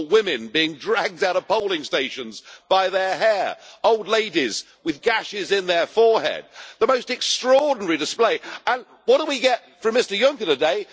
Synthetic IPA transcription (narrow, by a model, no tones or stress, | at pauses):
wɪ̃mɪ̃nbiɪ̃ŋdɹæɡ̚daʊɾʌv̥poʊlˠɪ̃ŋsteɪʃɨ̃nzb̥aɪðə˞ɦɛɹoʊlˠdˡleɪɾiz | wɨðɡæʃɪzɪ̃nðə˞fɔɹhɛ̰d̚ðəmoʊstɨkstɹ̥ɔɹdⁿn̩ɛɹidɨspleɪə̃n | wʌt̚d̥əwiɡɛt̚fɹə̃mɪstə˞jʌ̃ŋkəɾɨdeɪ